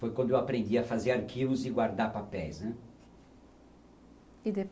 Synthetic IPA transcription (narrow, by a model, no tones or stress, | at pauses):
fojkwɐ̃nd̪ʊewapɾẽnd̪iafazeɾaɾkʰivʊzɪɡwaɾd̪aɾpapɛjsɛ̃ | id̪e